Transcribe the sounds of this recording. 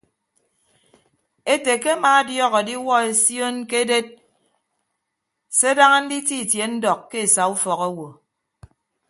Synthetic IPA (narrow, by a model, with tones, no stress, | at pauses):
e˦te˨ke˦maː˨a˦djɔ˦ɣɔ˨di˦wɔ˦e˨sjo˦nke˦de˦t̚ | se˦da˦ŋa˦n̩˦di˦ti˦˨tje˨n̩˦dɔ˨kːe˦e˨sa˨u˦fɔ˨ɣɔ˦wo˨